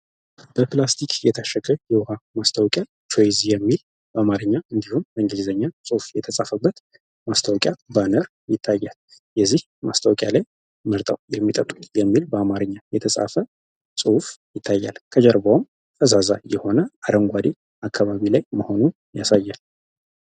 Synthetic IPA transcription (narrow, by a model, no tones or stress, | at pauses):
b̥əplast̪ʰikjɛt̪ʰaʃəɡəjɛwhamast̪ʰawkʼja | t͡ʃojzijɛmːil | bəamaɾɨɲːaɨnd̪ihunbəŋɡilzəɲːasʼɨhufjɛt̪ʰəsʼafəbːət̪ | mast̪ʰawkʼjabanəɾ | jɪt̪ʰːajːal | jɛzːih | ma̰st̪ʰawkʼjalaj | məɾt̪ʼa̰wjɛmːit̪ʼət̪ʼːut̪jɛmːilbəamaɾɨɲːajɛt̪ʰəsʼa̰fə | sʼɨhufjɪt̪ʰːajːalkʰəd͡ʒəɾbawm | t̪ʰəzaza̰jɛho̞nəʔad̪əŋɡʷad̪e | akʰːaβaβilajməho̞nu | jasajːal